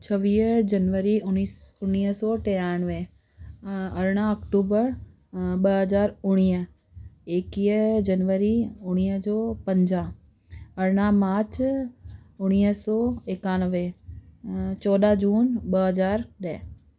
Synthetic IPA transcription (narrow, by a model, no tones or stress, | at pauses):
t͡ʃʰəʋiːd͡ʒənʋəɾiʊ̃iʊnːiːsɔːʈeːjanʋe | ɐɾɽ̃aɐkʈuːbəɾ | ɓəɦəzaːɾʊɽ̃iː | eːkiːd͡ʒənʋəɾiʊɽ̃iːd͡ʒɔːpə̃ɲd͡ʒãː | ɐɾɽ̃amaːt͡ʃ | ʊɽ̃iːsɔːekaːnəʋe | t͡ʃɔːd̪ad͡ʒuːnɓəɦəzaːɾɗɛː